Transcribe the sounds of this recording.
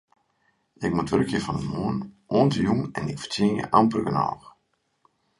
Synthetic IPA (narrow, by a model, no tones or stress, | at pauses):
ɪk̚mutʋøɾkjəfɔnəmoːənʔoəntəjuŋɛnɪkfə̥tiənjə̰ʔɑmpərɡənɔ̰ːx